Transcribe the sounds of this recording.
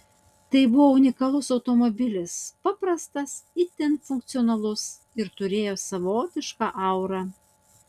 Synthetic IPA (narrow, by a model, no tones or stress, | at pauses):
t̪ɐɪbʊʋoːʊnʲɪkɐlˠʊsɒʊt̪omobʲɪlʲɪspɑpɾɐst̪ɐsɪt̪ʲɛnfʊŋk̚t̪sʲɪɔnɐlˠʊs | ɪɾt̪ʊɾʲeːjoːsɐʋoːt̪ʲɪʃkɑːʔɐʊɾɑ